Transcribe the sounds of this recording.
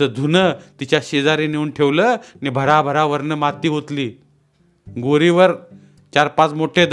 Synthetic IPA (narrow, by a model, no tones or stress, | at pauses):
əd̪ʱunət̪it͡ɕjaɕed͡zaɾeneuːnʈʰeʋləːnibʱəɾabʱəɾaʋəɾnəmat̪iːɦot̪liː | ɡoɾiʋəɾ | t͡ɕaɾpãt͡smoʈʰed̪